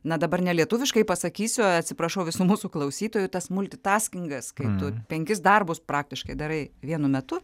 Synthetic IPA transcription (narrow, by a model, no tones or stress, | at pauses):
nɐd̪ɐbɐrnʲɛlʲiɛt̪ʊʋʲɪʃkɐɪpɐsɐkʲiːsʲʊɐt̪ʲsʲɪpɾɐʃɐʊʋʲɪsumuːsuklˠɐʊsʲiːt̪oːjʊt̪ɐsmʊlʲt̪ʲɪt̪ɑːsʲkʲɪŋɡɐskɐɪt̪ʊpʲɛŋʲkʲɪsd̪ɐrbʊspɾɑːk̚t̪ʲɪʃkɐɪd̪ɐɾɐɪʋʲiɛnʊmʲɛt̪ʊ